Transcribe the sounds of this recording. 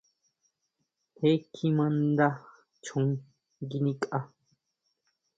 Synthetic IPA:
he˦kʰːi˦mãnd̪a˦ | t͡ʃʰũ˨ŋ | ɡi˦nĩ˦kʼa˦

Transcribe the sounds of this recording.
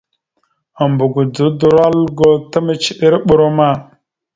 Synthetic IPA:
a˨mbu˨ɡu˨du˨du˨ɾa˦lɡo˦ta˦mə˨t͡ʃi˦ɗi˦ɾɓu˦˨ɾo˦ma˦˨

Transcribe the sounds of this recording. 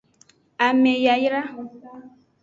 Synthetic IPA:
a˨me˨ja˨jɾa˦˨

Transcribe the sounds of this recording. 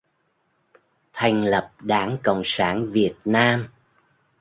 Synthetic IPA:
t̪ʰa˨˩jŋ̟lə˨˩p̚ɗaː˧˦ŋkə̰˧˨wŋ͡msaː˧˩nvi˨˩ət̚naː˧m

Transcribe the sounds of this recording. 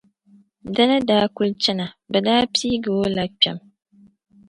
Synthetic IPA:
da˦nɨ˦daː˦ku˦lt͡ʃɛ˦na˨ | bɛ˨daː˦pʰiː˦ɡɨ˨wo˦la˦k͡pɛ̰˨m

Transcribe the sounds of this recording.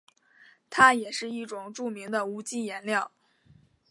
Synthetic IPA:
t̪ʰa˥jɛ˨˩ʂɻ̩˥˧i˥˩ʈ͡ʂʊ˨˩ŋʈ͡ʂu˥˩mi˧˥ŋd̪ə˧u˧˥t͡ɕi˥˩jɛ˧˥nljɑ˥˩ʊ

